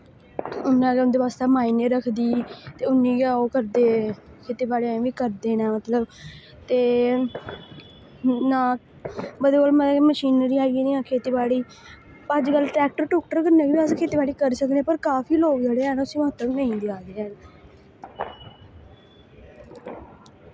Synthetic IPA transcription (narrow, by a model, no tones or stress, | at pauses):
ʊnãːʊnd̪eːʋaːst̪aːmaːiːneːɾəkʰd̪iːt̪eːʊnːĩːɡãːoːkəɾd̪eːkʰeːt̪iːbaːɽeːãːʋiːkəɾd̪eːnɛːmət̪ləb | t̪eː | nãː | bəd̪əlməməʃiːnɾiːaːɡiːniːãːkʰeːt̪iːbaːɽiː | pəd͡ʒkəlʈɾɛːk̚ʈəɾʈoːk̚ʈəɾkəɾnẽːbiːaːskʰeːt̪eːbaːɽiːkəɾsəkd̪eẽːpəɾkaːfʰiːloːɡd͡ʒəɽeːɛːnʊsĩːməɦət̪əknəĩːd̪eaːd̪eːɛːn